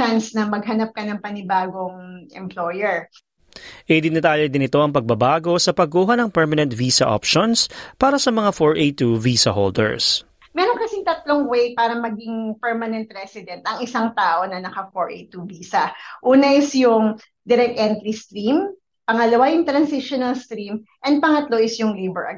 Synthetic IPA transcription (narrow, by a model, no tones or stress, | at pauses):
ansnɐmɐɡɦɐnap̚kɐnɐŋpɐnɪbaːɡoŋʔɛ̰mplojɛɹ | ʔɛd̪ɪnɪt̪aːjɐd̪ɪnɪt̪o̞ʔɐŋpɐɡ̚bɐbaːɡo̞sɐpɐɡ̚kuːɦɐnɐŋpɛɹmɐnɛnt̪̚viːsɐʔo̰pʃonspaːɾɐsɐmɐŋafoɹʔet̪uviːsɐ̰ɦo̰ld̪ɛ̰ɹs | mɛɾoŋkɐsiŋt̪ɐt̪loŋwejpaːɾɐmɐɡiŋpɛɹmɐnɛ̃nt̪̚ɾɛsɪd̪ɛnt̪ɐŋɪsaŋt̪aːʔo̞nɐnɐkɐfoɹʔḛjt̪uviːsɐʔuːnɐʔɪsjʊŋ | d̪ɪɾɛk̚t̪ʔɛnt̪ɾist̪ɾim | pɐŋɐlɐwajʊŋt̪ɾɐnsɪʃonɐlst̪ɾimʔɛnd̪̚pɐŋɐt̪lo̞ʔɪsjʊŋlejbɛɹʔɐ̰